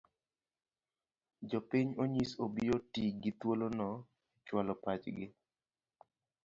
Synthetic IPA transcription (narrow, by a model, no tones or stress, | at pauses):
d͡ʒɔpiɲoɲisobiotiɡɪt̪wolonɔ | t͡ʃwalɔpat͡ʃɡɪ